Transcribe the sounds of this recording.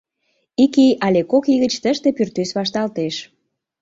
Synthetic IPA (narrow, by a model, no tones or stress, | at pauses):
ikijʔɑlʲekokiɣət͡ɕt̪əʃt̪epyrt̪ysβɑʃt̪ɑlt̪eʃ